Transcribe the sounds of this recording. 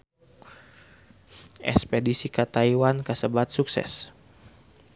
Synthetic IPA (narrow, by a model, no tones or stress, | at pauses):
ʔɛ̰spedisikat̪aiwankəsəbat̪̚suksɛ̰s